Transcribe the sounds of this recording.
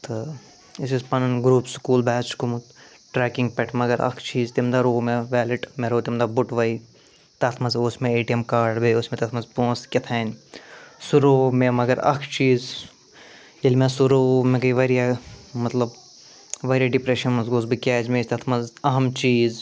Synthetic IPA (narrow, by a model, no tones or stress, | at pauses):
t̪ɨ | isizpɐnnɡɾuːpskuːlbɛːt͡ʃkumut̪ | ʈɾɛːkɪŋɡpʲɛʈʰmɐɡɐɾɐ̰kʰt͡ʃiːzt̪imd̪aɾoːmeʋɛːliʈmeɾoːt̪imd̪abʊʈʋɐi | t̪ɐt̪ʰmɐzoːsmẽeːʈijɐmkaːɖbeoːsmẽt̪ɐt̪ʰmɐzpõːskʲɐt̪ʰɐːnʲ | suɾoːmemɐɡɐɾɐ̰kʰt͡ʃiːz | elmẽsuɾoːmẽkɐiʋɐɾijamɐt̪lɐb | ʋɐɾijaɖipɾeʃɐnmɐzɡoːzbɨkʲɛːd͡ʒmest̪ɐt̪ʰmɐzɐɦɐmt͡ʃiːz